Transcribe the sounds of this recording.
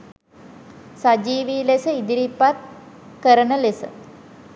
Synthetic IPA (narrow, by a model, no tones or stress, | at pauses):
sad͡ʒiːʋiːlesəid̪iɾipːat̪̚kəɾənəlesə̰